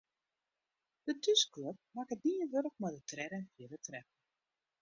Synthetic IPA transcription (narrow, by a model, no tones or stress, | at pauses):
d̥ətʰyskløp̚makətdiːənʋøɾəkmɔdətrɛɾəɛnfjɪdətrɛpə